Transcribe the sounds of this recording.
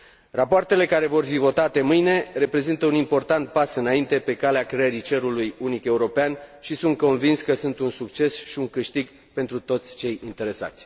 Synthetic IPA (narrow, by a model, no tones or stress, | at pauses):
rapoart̪e̞le̞kaɾe̞vo̞rfivo̞t̪at̪e̞mɨjne̞re̞pɾe̞zint̪əunimpo̞rt̪ant̪̚pasɨnaint̪e̞pe̞kaleakɾeeɾit͡ʃe̞ɾulujunike̞uɾo̞peanʃisunt̪̚ko̞nvinskəsunt̪unsukt͡ʃe̞sʃiuŋkɨʃt̪iɡ | pe̞nt̪ɾut̪o̞t̪sʲt͡ʃe̞jint̪e̞ɾe̞sa̰t̪sʲ